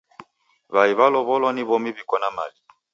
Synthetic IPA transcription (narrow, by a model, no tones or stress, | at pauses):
βaiβalɔβɔlɔniβɔmiβikɔnama̰li